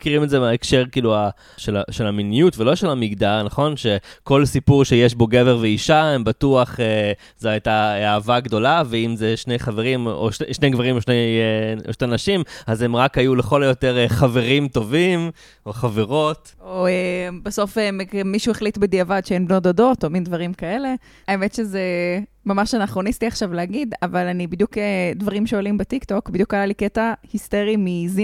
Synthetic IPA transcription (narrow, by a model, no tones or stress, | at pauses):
kiʁimezemaekʃe̞ʁkiːlua | ʃelaʃelaminijutvelo̞ʃe̞lamiɡdalnaχo̞nʃe̞ko̞lsipuʁʃe̞jeʃbo̞ɡe̞veʁveiʃaembatuaχe | zoajtaavaɡdo̞laveimzeʃne̞jχave̞ʁimo̰ʃeʃne̞jɡvaʁimoʃnejoʃte̞jnaʃimaze̞mʁakajuleχo̞lojo̞te̞ʁeχave̞ʁimt̪o̞vim | oχaveʁo̞t | oebeso̞fememiʃueχlitbed̪iavadʃeenbnodado̞to̞mindvaʁimkae̞le̞ | aemet̪ʃezemamaʃanaχuonist̪iaχʃavleaɡid̪avalanibid̪juked̪vaʁimʃeolimbet̪ikto̞kbid̪jukajaliketahist̪eʁimizi